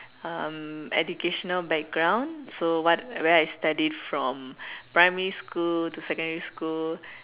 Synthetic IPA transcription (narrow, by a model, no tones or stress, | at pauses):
ãmɛ̰d͡ʒukeʃɔnəlbɛk̚ɡɹãw̃nsowɔtwɛajstadidfɹɔ̃mpɹajmɛɹiskultusɛkə̃ndɹiskul